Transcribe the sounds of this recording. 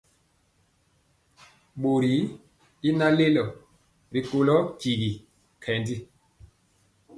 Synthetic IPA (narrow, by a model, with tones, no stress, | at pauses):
ɓo˨ɾi˨˦ | i˦na˦le˦lɔ˨ | ɾi˨ko˨lɔ˦ki˨ɣi˨ | kʰɛ˨ndi˦